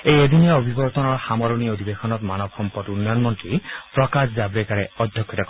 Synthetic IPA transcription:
ejed̪inijaobʱibɔɹt̪ɔnɔɹxamɔɹɔniod̪ʱibexɔnɔtmanɔbxɔmpɔtunːjɔnmɔntɹipɹɔkaszabɹekaɹɛɔd̪ʱjɔkʰːɔtakɔ

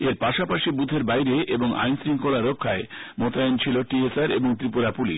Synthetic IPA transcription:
eɾpaʃapaʃibud̪ʱeɾbajɾeʔeboŋa̰jnsɾiŋkolaɾokʰːaemot̪aent͡ɕʰiloʈiesaɾeboŋt̪ɾipuɾapuliʃ

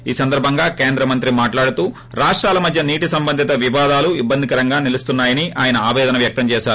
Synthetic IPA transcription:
iːsɐnd̪ɐɾbʱɐŋɡaːkeːnd̪ɾɐmɐnt̪ɾimaːʈlaːɽut̪uː | ɾaːʂʈɾaːlɐmɐd̪ʱjɐniːʈisɐmbɐnd̪ʱit̪ɐʋiʋaːd̪aːluibːɐnd̪ʱikɐɾɐŋɡaːnilust̪unːaːjɐniʔaːjɐnɐaːʋɛːd̪ɐnɐʋjɐk̚t̪ɐmt͡ʃɛːʃaːɾu

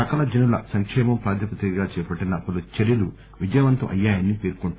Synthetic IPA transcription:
ɐkɐlɐd͡ʒɐnulɐ̰sɐŋkʂɛːmɐmpɾaːd̪ɐpɐt̪ɾikɐɡaːt͡ʃɛːpɐʈːinɐpɐlut͡ʃeɾjɐlu | ʋid͡ʒɐjʋɐnt̪ɐmʔɐ̰jːaːjɐnːipeːɾkoɳʈ

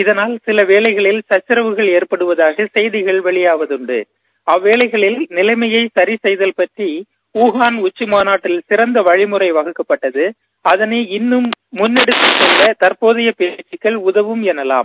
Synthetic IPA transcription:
ɪðɐnaːlsɪlɐʋeːɭɐɪɣɐɭɪlsɐt͡ʃːɪɾɐʋɯɣɐɭeːrpɐɽɯʋɐðaːɣɐsɛjðɪɣɐɭʋɛɭɪjaːʋɐðɯɳɖɯ̰ | ɐʋːeːɭɐɪɣɐɭɪlnɪlɐɪmɐjɐɪsɐɾisɛjðɐlpɐʈri | uːɣaːnʊt͡ʃːɪmaːnaːʈːɪlsɪɾɐnd̪ɐʋɐɻɪmɯrɐɪʋɐɣɯkːɐpːɐʈːɐðɯ | ɐðɐneːɪnːɯmːʊnːɛɽɯt̪ːɯt͡ʃːɔlːɐt̪ɐrpoːðɪjɐpeːt͡ʃːɪkːɐɭʊðɐʋɯmɛnːɐla̰ːm

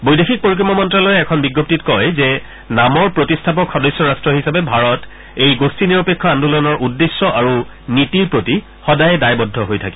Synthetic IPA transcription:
bojdexʰik̚poɹikɹɔmɔmɔntɹalɔjɛɛkʰɔnbiɡːop̚titkɔjzɛ | namɔɹpɹotistʰap̬ɔkʰɔdɔjsɔɹastɹɔɦisapɛbʱaɹɔt | ejɡostʰiniɹɔpekʰːɔandulɔɔnɔɹʔudːesːɔʔaɹu | nitiɹpɹoti | xɔdajɛdajbɔdʱːɔɦojtʰakɛ

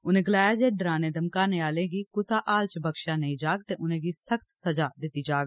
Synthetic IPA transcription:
ʊnẽːɡəlaːjaːd͡ʒeːɖɾãːnẽːd̪əmkaːnẽːaːlẽːɡiːkʊsaːʔaːlt͡ʃbəkʃãːnəĩːd͡ʒaːɡt̪eːʔʊnẽːɡiːsəkt̪səd͡ʒaːd̪ɪt̪ːiːd͡ʒaːɡ

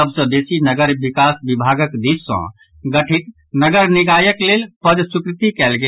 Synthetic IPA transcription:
əbsə̃besinəɡəɾbikasbibʱaɡəkd̪isːə̰̃ | ɡəʈʰit̪̚ | nəɡəɾniɡajəklelpəd͡ʒsukɾɪt̪ikɛlɡe

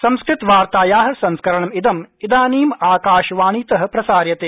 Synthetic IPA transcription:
sɐ̃mskɾɪt̪ʋaːɾt̪aːjaːɦɐ̆sɐ̃nskɐɾɐɳɐmid̪ɐmid̪aːniːmaːkaːʃʋaːɳ̃iːt̪ɐɦɐ̆pɾɐsaːɾjɐt̪eː

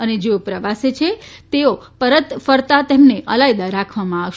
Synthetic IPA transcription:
əned͡ʒeopɾəʋaset͡ʃʰet̪eopəɾət̪fəɾt̪at̪emneʔəlajd̪aɾakʰʋamãaʋʃ

